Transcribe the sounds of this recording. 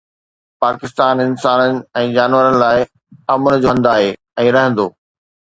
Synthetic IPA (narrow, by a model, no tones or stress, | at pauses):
paːkɪst̪aːnɪnsaːnənɪ̆ɛ̃ːd͡ʑaːnʋəɾənɪ̆laːɪ | ɐmʊnɪ̆d͡ʑoːɦɐ̃nd̪aːɦeː | ɛ̃ːɾɐɦə̃nd̪oː